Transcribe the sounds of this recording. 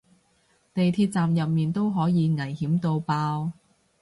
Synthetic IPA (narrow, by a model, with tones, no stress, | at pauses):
t̪e˨jt̪ʰiː˧t̚t͡saː˨mjɐ˨p̚miː˨nt̪o˥wɦɔː˨˥jiː˨˧ŋɐ˨˩jhiː˨˥mt̪o˧wpaː˧w